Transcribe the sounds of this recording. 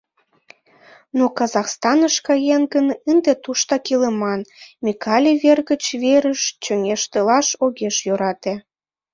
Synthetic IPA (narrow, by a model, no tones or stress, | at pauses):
nokɑzɑxst̪ɑnəʃkɑjenɡənənd̪et̪uʃt̪ɑkilemɑnmikʰɑlʲiβerɣət͡ɕβeɾəʃt͡ɕøŋeʃt̪əlɑʃoɣeʃjøɾɑt̪e